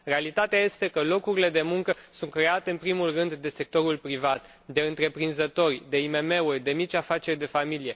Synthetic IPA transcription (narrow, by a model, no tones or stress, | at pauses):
re̞alit̪at̪eaje̞st̪e̞kəlo̞kuɾile̞d̪e̞muŋkəsunt̪̚kɾe̞at̪e̞ɨnpɾimulrɨnd̪ːe̞se̞k̚t̪o̞ɾulpɾivat̪ | d̪e̞ɨnt̪ɾe̞pɾinzət̪o̞rʲd̪e̞ime̞me̞urʲd̪e̞mit͡ʃʲafat͡ʃe̞rʲd̪e̞familije̞